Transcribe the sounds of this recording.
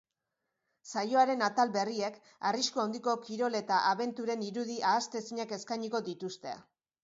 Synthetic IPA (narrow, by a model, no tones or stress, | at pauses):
sajo̞aɾe̞nat̪albe̞riek | ariskuawnd̪iko̞kiɾo̞le̞t̪aʔaβe̞nt̪uɾe̞niɾuðiʔaːst̪e̞siɲake̞skajɲiko̞d̪it̪ust̪e̞a̰